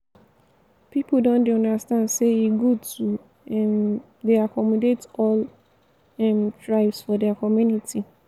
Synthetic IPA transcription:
pipldõndeɔ̃ndastãndseiɡotu | ɛm | deakʰɔmɔdetɔl | ɛ̃mtʰɹaɪbsfɔdɛakɔmjunitʰi

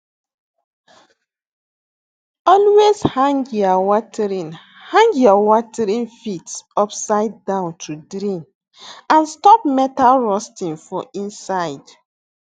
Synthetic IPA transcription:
ɔlwezhãŋɡjɔwɔtʰɛɹĩn | hãŋɡjɔwɔtɛɹĩnfitsɔpsaɪd̚ːãʊ̃ntʰudɾĩn | ãnstɔpmɛtalɹɔstĩnfɔʔĩnsaɪd̥

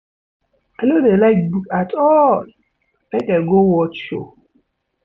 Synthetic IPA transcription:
anodelaɪkbukatʰɔl | mekeɡowɔtʃo̰

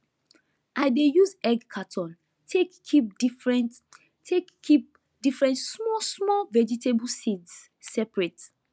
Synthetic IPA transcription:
ʔaɪdejuzɛɡkʰatʰɔ̃n | tʰekʰip̚dfɹɛ̃n | tʰekːip̚ | difɹɛ̃ntsmɔsmɔlvɛd͡ʒitʰebusids | sɛpɹet

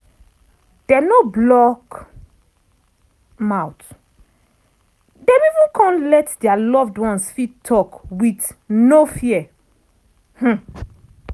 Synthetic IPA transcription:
d̥ɛnoblɔk | maʊt | dɛ̃mivũnkʰɔ̃nlɛtdɛalɔvdwɔ̃nsfitʰːɔkwitnofiɛ | h̩

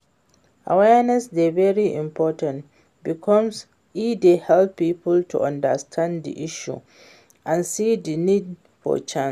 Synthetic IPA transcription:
ʔa̰wɛnɛsdɛvɛɹiʔɪ̰̃mpʰɔtãnt | bikʰɔ̃ms | idehɛlpːiːpʰʊltʰṵʔãndəstʰãnddḭʔɪʃṵ | ʔãnsiːdinid | fɔ̰t͡ʃãns

